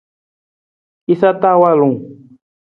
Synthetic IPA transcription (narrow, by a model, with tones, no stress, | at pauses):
i˦sa˦t̪a˦wa˦˨lũ˨ŋ